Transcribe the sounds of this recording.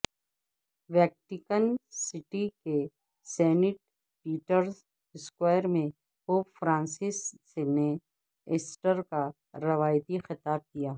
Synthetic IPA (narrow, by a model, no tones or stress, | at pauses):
ʋɛːk̚ʈɪkənsɪʈike | sɛːnɪʈ̚ | piːʈəɾs | ɪskwaːjɾmẽ | poːpfɾãːnsɪsː | ene | ɪsʈəɾka | ɾɐʋaːjt̪ixɪt̪aːb̚kijaː